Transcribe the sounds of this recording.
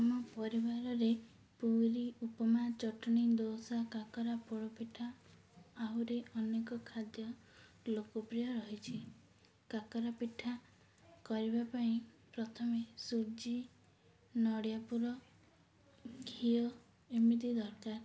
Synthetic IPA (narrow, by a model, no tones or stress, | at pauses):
amɔpɔɾibaɾɔɾe | puɾiupɔmat͡ʃɔʈɔɽ̃id̪osakakɔɾapoɽɔpiʈʰaː | ɦuɾeɔnekɔkʰad̪jɔ | lokɔpɾijɔɾɔɦit͡ʃʰi | kakɔɾapiʈʰa | kɔɾibapaĩpɾɔt̪ʰɔmesud͡ʒi | nɔɽijapuɾɔ | kʰiɔ | imid̪id̪ɔɾkaɾ